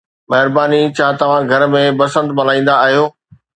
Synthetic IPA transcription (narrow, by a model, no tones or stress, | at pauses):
mɐɦɪɾbaːnit͡ɕʰaːt̪ɐʋ̤ãɡʱɐɾmẽbɐsə̃nd̪mɐlaːĩːn̆d̪aːɦijoː